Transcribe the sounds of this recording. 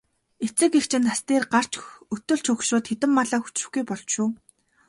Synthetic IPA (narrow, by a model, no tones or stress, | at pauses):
et͡sɘ̆kext͡ɕʰɪ̆nt̪ast̪eːrɢar̥t͡ɕɵt̪ɵ̆ɮt͡ɕʰɵkʃrʊːt̪xet̪ɘ̆mːaɮaːxu̥t͡ɕrɵ̆xɡujpɔɮt͡ɕʃʊː